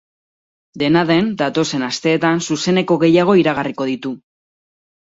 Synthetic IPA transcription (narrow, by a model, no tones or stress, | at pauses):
d̪e̞naðe̞nd̪at̪o̞se̞nast̪e̞ːt̪ansuse̞ne̞ko̞ɣe̞jaɣ̞o̞iɾaɣ̞ariko̞ð̞it̪u